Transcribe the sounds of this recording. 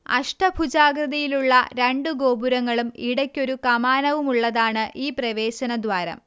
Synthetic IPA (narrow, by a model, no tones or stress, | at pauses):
ɐ̰ʂʈɐbʱud͡ʑaːɡrɐðɐjiluɭːɐɾeɳɖuɡo̞ːbuɾɐŋːɐɭumiɽɐkʲːo̞ɾukɐmaːnɐʋumuɭːɐðaːɳɨʔiːprɐʋe̞ːɕɐnɐd̪ʋwaːɾɐ̰m